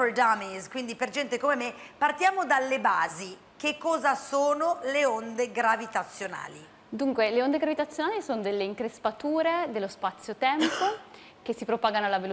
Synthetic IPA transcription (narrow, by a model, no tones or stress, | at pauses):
fod̪ameskwind̪iperd͡ʒɛnt̪ekomemepart̪jaːmod̪alːebaːzi | kekːɔːzasoːnoleond̪eɡɾavit̪at̪sːjona̰ːli | d̪uŋkweleond̪eɡɾavit̪at̪sːjonaːlisoːnod̪elːeiŋkɾespat̪uːɾed̪elːospat̪sːjot̪ɛmpo | kesːipɾopaːɡanoalːavel